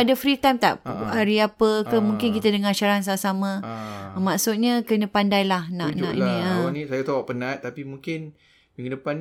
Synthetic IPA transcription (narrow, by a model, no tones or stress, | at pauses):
adəfɾit̪ajmt̪a̰ʔaɾiapəkəmũŋkɪnkit̪ədəŋarʃaɾans̬amʔsamə̃maʔsut̪̚ɲãkənə̃pandajlahnãʔnã̰ʔḭnĩəanisajat̪awaʔpənãt̪ːapimũŋkɪn | biŋɡindəpan